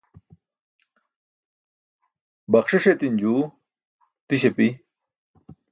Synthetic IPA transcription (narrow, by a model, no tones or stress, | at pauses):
bɐχʂeʂet̪ind͡ʑuː | t̪iɕepi